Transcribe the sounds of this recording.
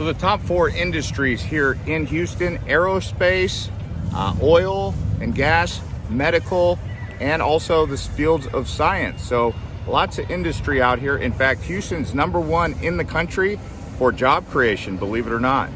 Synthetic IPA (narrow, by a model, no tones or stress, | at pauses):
soʊðɨtʰɑpfɔɹɪ̃ndɨstɹ̥iz̥hiɹɪ̃nɦjʉstɨ̃nɛɹoʊspeɪs | ʔɔɪl̩ˠɨ̃nɡæs | mɛɾɨkʰl̩ˠʔɨ̃nɔlˠsoʊðɨsfilˠdzʌv̥saɪɨ̰̃nsoʊlɑtsʌɪ̃ndɨstɹ̥iaʊt̚ɦiɹʔɨ̰̃nfæk̚t̚hjʉstɨ̃nznʌ̃mbə˞wʌ̃nɪ̃nðɨkʰʌ̃nt͡ʃɹ̥i | fə˞d͡ʒɑb̚kʰɹ̥ieɪʃɨ̃nbəlivɨɾə˞nət̚